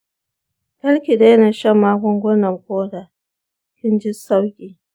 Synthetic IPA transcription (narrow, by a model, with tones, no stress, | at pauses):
tɐ˦lkʲi˨da˦na˨ʃɐ˦mːaː˦kʷɔ˦ŋɡʷʊ˦nɐ˨mkʷoː˦da˨ | kʲɪ˦nd͡ʒɪ˦sa˦wkʲʼiː˨